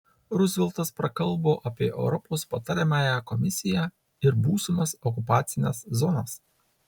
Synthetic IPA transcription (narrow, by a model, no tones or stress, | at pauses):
ɾʊzʲʋʲɪlˠt̪ɐspɾɐkɐlˠˑboːʔɐpʲiɛʔɛ̰ʊɾɔpoːspɐt̪ɐɾʲɛmɑːjækɔmʲɪsʲɪjæ | ɪɾbuːsʊmɐsɔk̬ʊpɑːt̪sʲɪnʲeszɔnɐs